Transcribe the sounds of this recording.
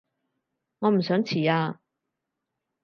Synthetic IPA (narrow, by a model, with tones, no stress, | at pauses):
ŋɔː˨˧m̩˨˩sœː˨˥ŋt͡sʰiː˨˩aː˧